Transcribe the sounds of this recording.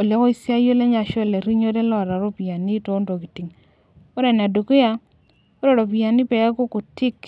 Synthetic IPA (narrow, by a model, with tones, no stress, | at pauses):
o˨le˦kɔ˦i˦sa˦jo˦le˦ɲa˨ʃɔ˦˨le˨ɾi˦ɲo˦de˦lɔ˦˨ɾa˨ɾo˦pi˨a˨ni˦to˨˦ndo˨ki˨ti˨ŋ | o˦ɾɛ˨n˨a˨do˨ko˦ja˦ | o˦ɾɔ˦˨ɾo˨pi˨a˨ni˦pɛ˨a˦ko˦ko˨tɪ˦k